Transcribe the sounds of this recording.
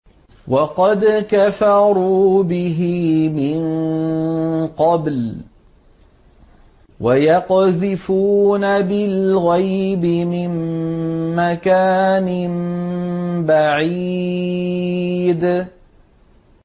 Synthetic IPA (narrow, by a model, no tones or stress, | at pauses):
wɑqɑd̪kafɑɾuːbɪɦimɪn | qɑbl | wajɑqðɪfuːnabɪlɣajbɪmɪmː | akaːnɪm | baʕi | d̪